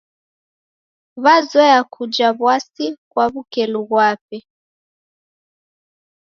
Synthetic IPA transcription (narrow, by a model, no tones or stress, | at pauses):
βazɛjakʰud͡ʒaβwasikwaβukɛluβwapɛ